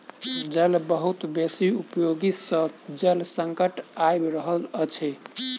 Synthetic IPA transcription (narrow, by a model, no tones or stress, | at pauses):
d͡ʒəlbəɦut̪besiupjoɡisəd͡ʒəlsəŋkəʈajbɾəɦələt͡ʃʰɛ